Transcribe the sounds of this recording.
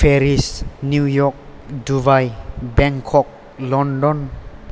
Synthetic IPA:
fʰeɾisnjujɔk̚dubajbɛŋkʰɔk̚ | lɔndɔn

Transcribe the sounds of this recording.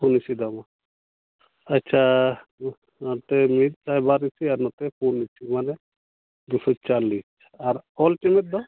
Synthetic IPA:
pʰunisid̪ɔma | ɐtːt͡ʃʰa | at̪ɛmit̪̚sajbaɾisiaɾnɔt̪ɛpunisimanɛ | d̪usɔt͡ʃalis | aɾɔlʈimɛt̪̚d̪ɔ

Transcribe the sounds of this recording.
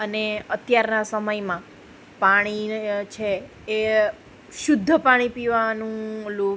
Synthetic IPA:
əneət̪jaɾnasəməjmã | paɽ̃it͡ʃʰeː | ʃʊd̪ʱːəpaɽ̃ipiʋanũlo

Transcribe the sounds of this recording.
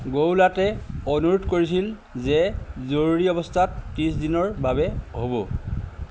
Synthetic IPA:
ɡowlatɛɔnuɹotkoɹis̬il | zɛzoɹɹiɔbɔstʰat̚kisdinɔɹbabɛɦobɔ

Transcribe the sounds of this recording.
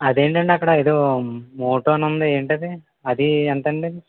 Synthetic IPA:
ɐd̪e̞ːɳʈɐɳɖeɐkːɐɽɐeːd̪oːmoːʈoːnɐnd̪ie̞ːɳʈɐd̪i | ɐd̪iɐnt̪ɐɳɖid̪i

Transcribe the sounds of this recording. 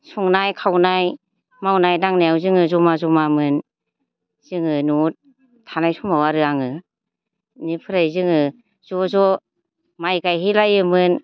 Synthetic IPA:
suŋnajkʰawnaj | mawnajdaŋnajawzɯŋɯzɔmazɔmamɯn | z̥ɯŋɯnut̚ | tʰanajsumawaɾɯaŋɯ | nipʰɯɾajzɯŋɯ | zɔzɔ | majɡajɦilajɯmɯn

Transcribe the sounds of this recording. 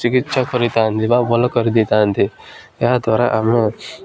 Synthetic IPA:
t͡ʃikitːʃʰakɔɾit̪aənt̪ʰibabɔlɔkɔɾid̪it̪ant̪ʰijad̪waːɾaʔame

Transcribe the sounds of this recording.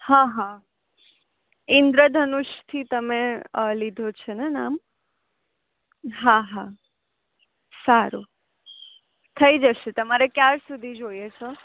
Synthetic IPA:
hãɦã | ɪnd̪ɾəd̪ʱənuʃt̪ʰit̪əmelid̪ʱot͡ʃʰenena̰m | ɦãɦã | saɾu | t̪ʰəid͡ʒəʃet̪əmaɾekjaɾsud̪ʱid͡ʒoiet͡ʃʰo

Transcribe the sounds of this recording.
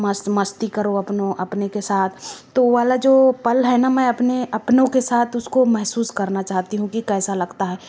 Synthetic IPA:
mɐsmɐst̪ikɐɾoɐpnõʔɐpnekesaːt̪ʰt̪ːoʋaːlad͡ʒoːpɐlɦɛnamɛ̃ɐpneɐpnõkesaːt̪ʰʊskomɛɦsuːskɐɾnat͡ʃaːɦt̪iɦũkikɛːsalɐɡt̪aɦɛː

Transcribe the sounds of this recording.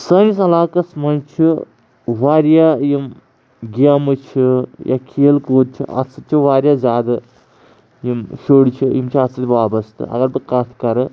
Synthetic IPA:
sɐŋɡisɐlaːkɐsmɐnt͡ʃʰi | ʋaːɾjajim | ɡamɨt͡ʃʰija̰kʰeːlkoːd̪̚t͡ʃʰḭʔɐ̰t͡sːɨt̪̚t͡ʃʰiʋaːɾjaːzʲaːd̪ɐ | jimʃoːɽt͡ʃʰijimt͡ʃʰiɐt͡sːɐt̪ʲʋaːbɐst̪ɨ̰ɐ̰ɡɐɾbɨkɐt̪ʰkɐɾɨ

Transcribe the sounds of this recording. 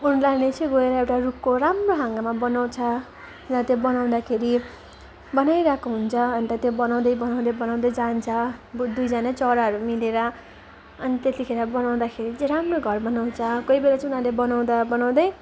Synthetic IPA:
unlaɾnet͡sʰʌ̃ɡʌeɾʌewʈarup̚koɾamroɦãŋɡamabʌnaw̃t͡sʰʌ | unat̪jobʌnaw̃d̪akʰeɾi | bʌnajɾakoɦunt͡sʰʌʌnt̪ʌt̪jobʌnaw̃d̪ʌjbʌnaw̃d̪ʌjbʌnaw̃d̪ʌjd͡zant͡sʰʌd̪ujd͡zanat͡sʌɾaɦʌɾumileɾʌ | ʌnit̪et̪ikʰeɾʌbʌnaw̃d̪akʰeɾit͡sɾamroɡʱʌrbʌnaw̃t͡sʰʌkʌibelat͡sunãlebʌnaw̃d̪abʌnaw̃d̪ʌj

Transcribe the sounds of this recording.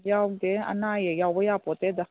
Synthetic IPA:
jakd̪eɐ̰naːjejabəjaːpot̪ed̪a

